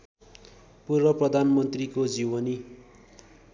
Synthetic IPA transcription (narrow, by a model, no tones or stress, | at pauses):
purwʌprʌd̪ʱanmʌnt̪rikod͡ziwʌni